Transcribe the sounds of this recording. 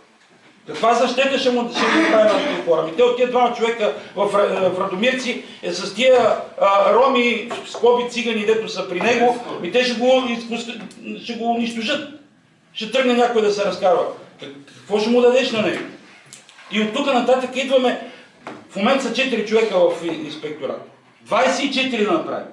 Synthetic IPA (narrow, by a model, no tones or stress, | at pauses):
kɐkvazɐʃt̪ɛt̪ɐʃɛmuʃɛɡonɐpɾavʲit̪ɔk̪ixɔɾəmit̪ɛot̪ːiəd̪vamɐt͡ʃovɛkəvɐffɾɐd̪ʊmiɾt̪si | sɐst̪iə | ɾɔmiskˠɔbit̪siɡɐnid̪ɛt̪ʊsəpɾinɛɡomit̪ɛʃɛɡoispʊsʃɛɡoːniʃt̪ʊʒɤt̪̚ | ʃɛt̪ɾɤɡnɐnʲjakʊid̪ɐsɛɾɐskazvɐkkɐkvɔʃɛmud̪ɐd̪ɛʃnɐnɛo̰ | iot̪ːukənɐt̪at̪əkəid̪vɐmɛ | fmomɛnt̪sɐt͡ʃɛt̪iɾit͡ʃovɛkəvɐfinspɛk̚t̪oɾə̰ | d̪vajsɛit͡ʃɛt̪iɾid̪ɐnɐpɾa̰vḭ